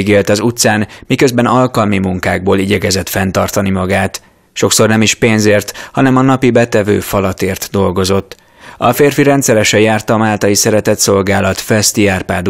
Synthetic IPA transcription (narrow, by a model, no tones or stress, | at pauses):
ɡeːlt̪ɒzut̪saːnmikøzbɛnɒlkɒlmimuŋkaːɡ̚boːliɟɛkɛzɛt̪fɛnt̪ɒrt̪ɒnimɒɡaːt̪ | ʃo̞kso̞rnɛmiʃpeːnzeːrt̪hɒnɛmɒnɒpibɛt̪ɛvø̰ːfɒlɒt̪eːrt̪d̪o̞lɡo̞zo̞t̪ː | ɒfeːrfiɾɛnt̪sɛɾɛʃɛjaːrt̪ɒmaːlt̪ɒjisɛɾɛt̪ɛt̪so̞lɡaːlɒt̪fɛst̪iaːrpaːd̪